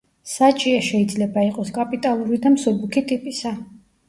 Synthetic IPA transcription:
sat͡ʃʼiaʃɛid̪zlɛbaiqʼɔskʼapʼit̪ʼalˠuɾid̪amsɔɾbukʰit̪ʼipʼisa

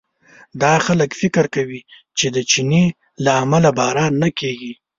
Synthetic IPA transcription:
d̪ɑxaləkfɪkɪɾkawi | t͡ʃed̪ət͡ʃine | laːmalabɑɾɑnːakeɡi

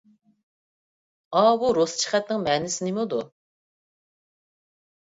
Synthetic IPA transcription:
ɑbuɾost͡ʃʰi̥χɛt̪̚nɪŋmɛːnɪsɪnɪmud̪u

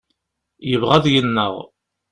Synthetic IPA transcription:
jəvʁæðjənːə̰ʁ

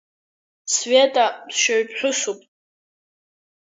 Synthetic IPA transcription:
svetʼadʃaɥpʼħʷᶣʊsupʼ

